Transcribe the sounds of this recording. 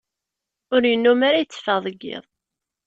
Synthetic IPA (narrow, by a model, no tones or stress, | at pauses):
ʊɾjənːumaɾajət͡sːə̥fəðˤəɡːɪ̰ðˤ